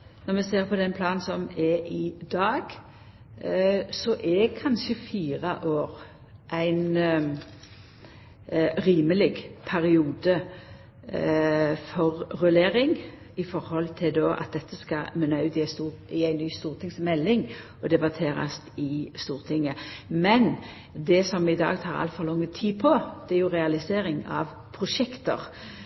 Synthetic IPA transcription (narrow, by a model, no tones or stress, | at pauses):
nɔʁmɛseːʁpʰɔd̪ɛnpʰlɑːnsɔmɛʔɪd̪ɑːɡ | sɔʔɛkʰɑnʃəfiːʁəʔoːʁ | ʔæɪn | ʁiːməlɪɡpʰæɾɪuːd̪ə | fɔʁːʉleːɾɪŋ | ɪfɔɾhɔlt̪ʰɪld̪oːʔɑ̰t̪̚d̪ɛt̪ʰːəskɑ̰mʉnɑʉːt̪ɪæst̪uːɪæɪnːyːst̪uːʁt̪ʰɪŋsmɛlːɪŋ | ɔd̪ɛbɑt̪ʰeːɾɑ̰st̪ɪst̪uːʁt̪ʰɪŋːəmɛn | d̪ɛsɔmɪd̪ɑ̰ːɡt̪ʰɑːɾɑ̰lt̪fɔlɔŋːət̪ʰiːpʰɔd̪̥ɛæɾjʊʁɛɑlɪseːɾɪŋɑ̰ʋ | pʰʁʊʂɛkt̪ə̰ʁ